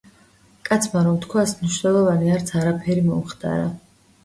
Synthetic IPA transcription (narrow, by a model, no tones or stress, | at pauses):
kʼat̪sʰmaɾɔmt̪ʰkʰwasmniʃnɛlˠɔvaniaɾt̪sʰaɾapʰɛɾimɔ̰mχt̪ʼa̰ɾa̰